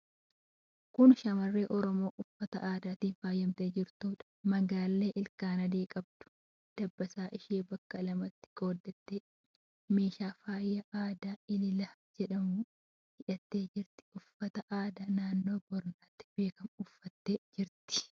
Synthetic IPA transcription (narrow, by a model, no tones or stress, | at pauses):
kʊnʃɐmɐrːe̞ːʔɔɾɔmo̞ːʔʊfːɐt̪ɐ̰ʔaːd̪aːt̪iːnfaːjːɐmt̪e̞ːd͡ʒɪɾt̪uːᶑɐ̥mɐɡaːlːe̞ːʔɪlkaːnɐd̪iːkʼɐb̚d̪̥ʊ̥ | d̪̥ɐbːɐsaːʔɪʃeːbɐkːɐlɐmɐt̪ːɪ̥ɡo̞ːd̪ːɛt̪ːeː | me̞ːʃaːfaːjːɐʔaːd̪aːɪlɪlɐd͡ʒɛᶑɐmuː | hɪᶑɐt̪ːe̞ːd͡ʒɪɾt̪ɪ̥ʊfːɐt̪ɐʔaːd̪aːnaːnːo̞ːbɔɾnaːt̪ːɪ̥be̞ːkɐmʊfːɐt̪ːeːd͡ʒɪɾt̪ɪ̥